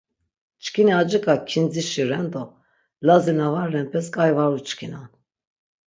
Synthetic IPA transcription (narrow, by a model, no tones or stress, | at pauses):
t͡ʃkʰiniad͡ʒikʼakʰind͡ziʃiɾɛnd̪ɔ | lazinavaɾɛnpʰɛskʼajvaɾut͡ʃkʰinan